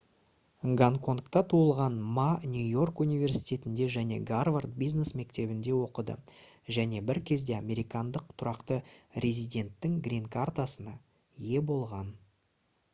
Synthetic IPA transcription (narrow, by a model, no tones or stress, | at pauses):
ŋɡanko̞nkt̪ɑt̪ʰuəlˠʁɑnmanʲjujo̞rkunijvʲe̞rsijt̪ʲe̞t̪ɪnd̪e̞ʒæne̞̰ɡarvart̪̚bijzne̞sme̞k̚t̪e̞bɪnd̪e̞wo̞qəd̪ə̰ʒæne̞bɪɾkʲʰe̞zd̪e̞amʲe̞ɾijkɑnd̪əq̚t̪ʰʊɾɑqt̪əɾʲe̞zijd̪ʲe̞nt̪ːɪŋɡɾʲinkʰart̪asənɑ | je̞bo̞lˠʁɑn